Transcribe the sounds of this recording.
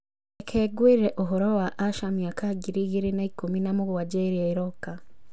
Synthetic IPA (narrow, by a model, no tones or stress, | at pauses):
ekʰeɡwiːɾeʔoɦoɾowaʔaʃamjaːkaɡiɾiɣiɾinaikuminamuɣuwaɟeɾieiɾoka